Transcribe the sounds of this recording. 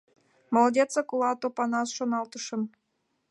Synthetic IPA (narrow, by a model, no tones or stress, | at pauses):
molˠodʲet͡sɑkulɑt̪opɑnɑsʃonɑlt̪əʃə̆m